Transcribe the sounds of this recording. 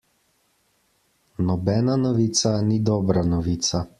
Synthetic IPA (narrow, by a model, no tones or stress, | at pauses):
nɔbɛːnanɔʋiːt̪sanid̪ɔːbɾanɔʋiːt̪sa